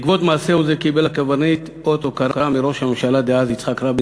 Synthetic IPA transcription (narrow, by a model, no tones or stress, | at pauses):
kvot̪maːseuzekibelakavanit̪ | ot̪okaɾamiɾo̞ʃhamemʃalad̪eazit͡sχakɾab